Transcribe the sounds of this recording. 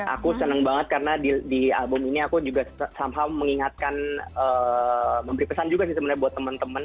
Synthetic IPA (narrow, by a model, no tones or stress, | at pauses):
ʔa̰kusənəŋbaŋət̪̚kaɾənadidia̰lbʊminiakud͡ʒuɡassamɦawməŋiŋat̪̚kanəːməmbəɾipəsand͡ʒuɡasɪhsəbənaɾbuat̪ːəmənt̪əmən